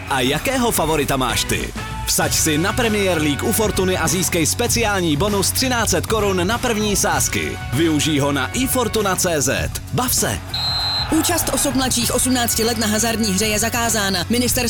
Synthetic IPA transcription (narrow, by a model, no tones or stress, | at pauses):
ʔajakɛːɦo̞favo̞ɾɪt̪ama̰ːʃt̪ɪ̰ | fsacsɪnapɾɛmɪjɛɾliːkʔufo̞ɾt̪unɪʔaziːskɛjspɛt͡sɪaːlɲiːbo̞nust̪r̥ɪnaːtt͡sɛt̪ko̞ɾunːapr̩vɲiːsaːskɪ̰ | vɪuʒiːɦo̞na̰ʔɪfo̞ɾt̪unat͡sɛːzɛ̰t̪ | bafsɛ̰ | ʔuːt͡ʃast̪ʔo̞sup̚mlatt͡ʃiːxʔo̞sumnaːt͡scɪlɛt̪naɦazaɾdɲiːɦr̝ɛjɛzakaːzaːnamɪnɪst̪ɛɾ